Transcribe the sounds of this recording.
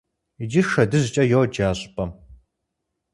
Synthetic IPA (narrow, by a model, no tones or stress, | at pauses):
id͡ʒɪʃɐdɨzɨt͡ʃʼɐjowd͡ʒaːɕʼpʰʼɐm